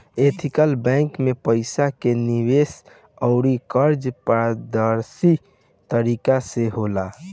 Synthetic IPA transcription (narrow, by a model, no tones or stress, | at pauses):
et̪ʰikəlbɛ̃ŋkmepəɪsakeniʋes | ɔʊɾikəɾd͡ʒpd̪əɾsi | t̪əɾikaseɦola